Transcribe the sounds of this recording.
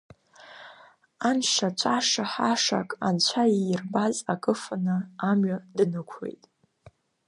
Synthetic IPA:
anʂat͡ʃʷʰʼaʂaħaʂa̰kʼant͡ɕʷʰajirbazakʼɨfanɨamɥadnɨkʷʰḛjtʼ

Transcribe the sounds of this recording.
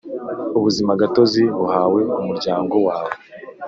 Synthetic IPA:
uβuzimaɡato̞ziβuhaːwe̞umuɾɟaːŋɡo̞waːβo

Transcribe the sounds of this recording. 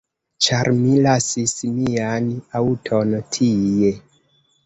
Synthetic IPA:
t͡ʃaɾmilasismianawutʰontʰije

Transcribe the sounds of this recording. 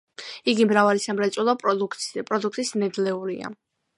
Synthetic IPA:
iɡimɾavalisamɾɛt̪sʼwɛlˠɔpʼpʼɾɔd̪uk̚ʰt̪ʼisnɛd̪lɛuɾḭa̰

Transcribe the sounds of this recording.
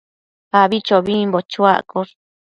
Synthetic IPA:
aβit͡ʃoβimbot͡ʃua̰ʔkoɾ

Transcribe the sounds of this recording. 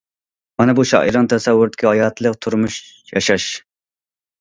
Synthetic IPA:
mɑnɛbuʃɑ̰ːʔḭɾɑnt̪ʰɛsɛwːʊɾd̪ɪ̥kʲʰihɑjɑt̪ʰlˠəqt̪ʰuɾmuʃ | jɑ̰ʃɑʃ

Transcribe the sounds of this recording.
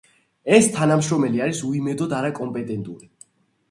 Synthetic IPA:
ɛst̪ʰanamʃɾɔmɛliaɾisuimɛd̪ɔd̪aɾakʼɔmpʼɛt̪ʼɛnt̪ʼuɾi

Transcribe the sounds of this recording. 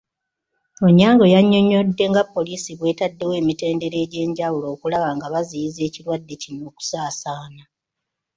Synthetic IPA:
oɲːaːŋɡo̞jaɲːo̞ɲo̞dːe̞ŋɡapːo̞lisiβwe̞ːtadːe̞we̞ːmite̞ːnde̞ɾe̞ːɟe̞ːɲɟawulo̞ːkulaβaŋɡaβazijize̞ːcilwadːe̞cino̞ːku̥saːsaːna

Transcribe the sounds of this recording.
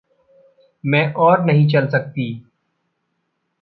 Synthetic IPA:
mɛ̃ːʔɔːɾnəɦĩt͡ʃɐlsək̚t̪iː

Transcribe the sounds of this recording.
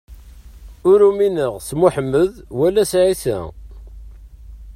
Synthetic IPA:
ʊɾuminəʁsmuħəmːəðwælːæsʕisæ̰

